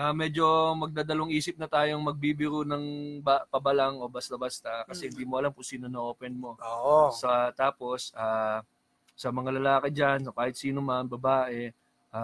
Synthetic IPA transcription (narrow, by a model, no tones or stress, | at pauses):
ʔamɛd͡ʒo̞mɐɡ̚d̪aːd̪ɐloŋʔiːsɪp̚nɐt̪aːjoŋmɐɡ̚bibɪɾunɐŋbapɐbɐlaŋo̞bɐst̪ɐbast̪ɐkɐsɛhɪnd̪iːmoʔɐlampʊsiːnonɐʔo̞ːpɛnmo̞osɐt̪aːpo̞saː | sɐmɐŋalɐlaːkɪd͡ʒansɐkaːhɪt̪̚siːnomɐnbɐbaːʔɛ | ʔa